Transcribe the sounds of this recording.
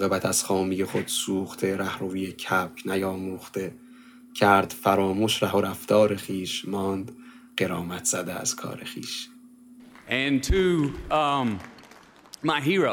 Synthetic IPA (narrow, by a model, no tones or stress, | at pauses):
ɣebæt̪ʰæz̥χɒːmiːjeχod̪̥suːχt̪ʰeɾæhɾuːvijecʰæp̚kʰnæjɒːmuːxt̪e | cʰæɾd̪̥fæɾɒːmuːʃɾæhoɾæft̪ʰɒːɾe̞xiːʃmɒːnd̪ | ɢeɾɒːmæt̪ʰz̥æd̪eæ̰z̥kʰɒ̰ːɾexḭːʃ | ʔɨ̃ntʰɨ | m | maɪɦiɹo